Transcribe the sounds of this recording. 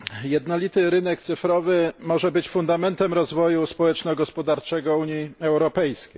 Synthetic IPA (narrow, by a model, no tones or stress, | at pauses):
jɛd̪nɔlʲit̪ɘɾɘnɛkt̪sɘfɾɔvɘmɔʐɛbɘt͡ɕfund̪amɛnt̪ɛmɾɔzvɔjuspɔwɛt͡ʂnɔɡɔspɔd̪aɾt͡ʂɛɡɔuɲiɛwɾɔpɛjskʲej